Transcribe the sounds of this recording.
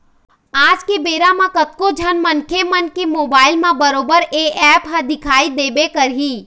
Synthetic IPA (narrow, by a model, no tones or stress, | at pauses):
aːd͡ʒkebeːɾamãkɐt̪̚kod͡ʒʱɐnmɐnkʰemənkemoːbaːɪlmãbɐɾoːbəɾeːɛːpɦɐd̪ɪkʰaːid̪eːbekəɾɦiː